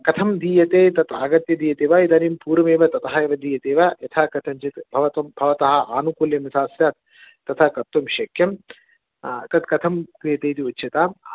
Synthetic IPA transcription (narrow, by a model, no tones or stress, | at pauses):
kɐt̪ʰɐmd̪iːjɐt̪eːt̪ɐt̪aːɡɐt̪jɐd̪iːjɐt̪eːʋɐid̪ɐnimpuːɾɐmeːʋɐt̪ɐt̪ɐɦɐeːʋɐd̪iːjɐt̪eːʋɐjɐt̪ʰaːkɐt̪ʰɐɲt͡ʃit̪bʱɐʋɐt̪ɐmbʱɐʋɐt̪ɐɦɐ̆ʔaːnukuljɐmisaːsjaːt̪ | t̪ɐt̪ʰɐkɐt̪ːumʃɐkʰjɐm | t̪ɐt̪kɐt̪ʰɐmkɾijɐt̪eːt̪iutːt͡ʃʰɐt̪aː